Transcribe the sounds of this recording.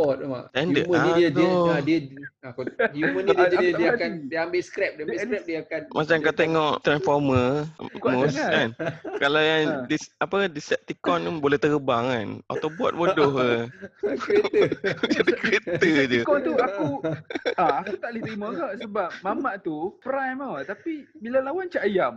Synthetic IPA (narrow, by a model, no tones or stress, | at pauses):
bɔt̪̚ma̰ʔt̪ɛndəʔməaniiəd̪adiəakuməniədiakandiəambɪʔskɾɛp̚diambɪʔkɾɛp̚diəakanmʔat͡ʃamkkat̪eŋɔʔt̪ɾanfɔrməmoskankalawjaŋdisapəkadisɛp̚t̪ikɔnbolɛht̪əɾəbaŋana̰t̪abua̰t̪̚bodɔɦə | etəud͡ʒadikɾet̪əd͡ʒəkɔnt̪uaku | aakut̪aʔlɪht̪ɾimə̃ɡaʔsəbap̚mamaʔt̪upəɾajmət̪apibilalawant͡ʃaʔajam